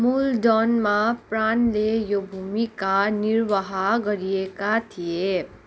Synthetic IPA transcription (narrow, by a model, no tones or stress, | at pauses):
muldʌnmapranlejobʱumikaniɾwaɦaɡʌɾijekat̪ʰie